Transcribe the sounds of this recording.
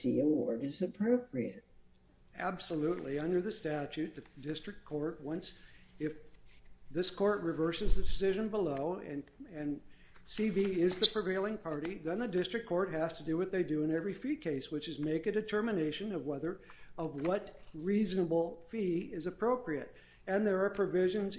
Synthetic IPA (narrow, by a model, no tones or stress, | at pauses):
ðḭəɔ˞ɾɨzɨpʰɹ̥oʊpɹiɨ̰t̚ | æbsəluʔˡliʌ̃ndə˞ðɨstæt͡ʃʉt̪̚ðɨdɪstɹ̥ɨk̚kʰɔɹt̚wʌ̃nsɪf | ðɪskʰɔɹt̚ɹɨvɜ˞sɨzðɨdɨsɪʒɨ̃nbəloʊɨ̃nɨ̃n | siviɪzðɨpʰɹ̥ɨveɪlˠɪ̃ŋpʰɑɹɾiðɨ̃nðɨdɪstɹ̥ɨkʰɔɹt̚ɦæz̥tʰɨdɨwʌt̪̚ðeɪdɨɨ̃nɛvɹifikʰeɪswɨt͡ʃɨzmeɪkɨdɨtʰɜ˞mɨneɪʃɨ̃nʌvwɛðə˞ʌvwʌtɹiznəbl̩ˠfiɪzɨpʰɹ̥oʊpɹiɨɾ | ɨ̃nðə˞ːpʰɹ̥ɨvɪʒɨ̃nz